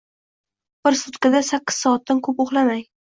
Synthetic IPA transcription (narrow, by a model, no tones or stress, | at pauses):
b̥ɪɾsʊt̪kad̪asakʲːɪ̥z̥sɒːt̪̚ːankʰɵpoχlˠamaj